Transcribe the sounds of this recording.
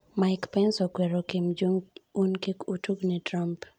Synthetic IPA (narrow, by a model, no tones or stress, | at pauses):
maɪkpɛnsɔkwɛɾɔkimd͡ʒuŋunkikutuɡnitɾamp